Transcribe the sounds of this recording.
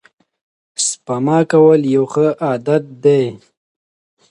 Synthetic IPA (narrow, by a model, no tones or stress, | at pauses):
spamɑːkawəljawxəʔaːd̪at̪̚d̪e